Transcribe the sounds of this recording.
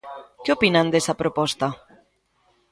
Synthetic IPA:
keopinand̪ɛsɐpɾopɔst̪ɐ

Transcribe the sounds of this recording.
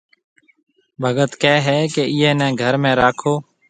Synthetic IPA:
bʱəɡət̪kɛːɦɛːkeːʔɪːɛ̃ːnɛ̃ːɡʱəɾmẽːɾaːkʰoː

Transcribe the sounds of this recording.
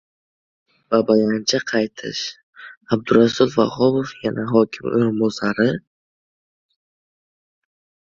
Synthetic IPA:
vabajant͡ʃʰaqʰɑjt̪ʰɪ̰ʃ | ab̚d̪ʊɾasulˠva̰hɔbofjanaɦɒkʲʰɪmo̰jɾɪmbɔsaɾɪ

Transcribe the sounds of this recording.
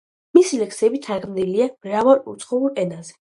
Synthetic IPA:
misilɛksɛbit̪ʰaɡmd̪iliamɾavaɾṵt̪sʼχɔuɾɛnazɛ

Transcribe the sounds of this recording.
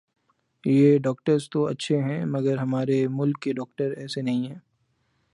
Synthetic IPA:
jeɖɔːk̚ʈəɾst̪oɐtːʃʰeɦɛ̃mɐɡəɾɦɐmaːɾemʊlkːeɖɔːk̚ʈəɾɛːsenɐɦĩɦɛ̃ː

